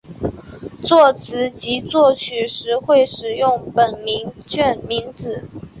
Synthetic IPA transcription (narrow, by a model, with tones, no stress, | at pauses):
t͡swɔ˥˩t͡sʰɹ̩˧˥t͡ɕi˧˥t͡swɔ˥˩t͡ɕʰy˨˩ʂɻ̩˧˥xwe˥˩ɪʂɻ̩˨˩jʊ˥˩ŋpə˨˩nmi˧˥ŋt͡ɕʰɛ˥˩nmi˧˥ŋt͡sɹ̩˨˩˦